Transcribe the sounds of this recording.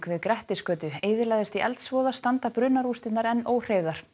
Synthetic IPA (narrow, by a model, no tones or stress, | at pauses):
kvɪðkɾɛht̪ɪskœːt̪ʏejðɪɾlajðɪst̪iʔɛ̰lt̪svɔːðast̪ant̪apɾʏːnaɾust̪ɪt̪naɾɛnoːwr̥ejðaɾ̥